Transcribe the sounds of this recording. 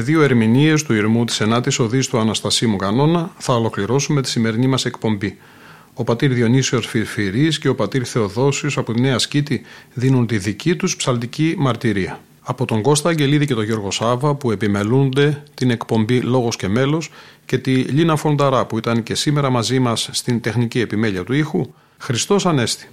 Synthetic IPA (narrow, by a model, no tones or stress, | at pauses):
ðio̞e̞ɾminie̞st̪uiɾmut̪i̥se̞nɐt̪iso̞ðist̪uɐnɐst̪ɐsimukɐno̞nɐθɐo̞lo̞kliɾo̞sume̞t̪i̥sime̞ɾinimɐse̞kpo̞mbi | o̞pɐt̪iɾðio̞nisio̞sfifiɾisce̞o̞pɐt̪iɾθe̞o̞ðo̞siosɐpot̪ine̞ɐscit̪iðinunt̪iðicit̪uspsɐlt̪icimɐɾt̪iɾiɐː | po̞t̪o̞ŋɡo̞st̪ɐɲɟe̞liðice̞t̪o̞ʝo̞ɾɣo̞sɐvɐpue̞pime̞lund̪e̞t̪ine̞kpo̞mbilo̞ɣo̞sce̞me̞lo̞sce̞t̪iʎinɐfo̞nd̪ɐɾɐpuit̪ɐnce̞sime̞ɾɐmɐzimɐsːt̪ind̪e̞xnicie̞pime̞ʎiɐt̪uixu | xɾist̪o̞sɐne̞st̪i̥